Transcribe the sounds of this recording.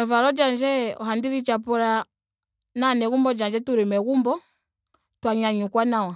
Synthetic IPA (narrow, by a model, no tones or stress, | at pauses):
avaɾɔd͡ʒand͡ʒɛɔ̰ɦandiɾit͡ʃapɔɾa | nanɛɣumbɔd͡ʒand͡ʒɛtuɾimɛɣumbɔ | twaɲaɲukwanawa